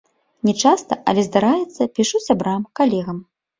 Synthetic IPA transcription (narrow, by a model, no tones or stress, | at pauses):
nʲɛt͡ʂast̪ɐʔɐ̰lʲɛzd̪aɾajɛt̪sːɐpʲiʂusʲabɾamkalʲɛɣɐm